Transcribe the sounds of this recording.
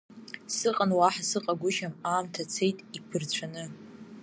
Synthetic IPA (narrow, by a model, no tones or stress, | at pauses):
sɨqʼanwaħasɨqʼaɡʷʊʃamaːmtʰat͡sʰe̞jtʼipʰɨrt͡ɕʷʰanɨ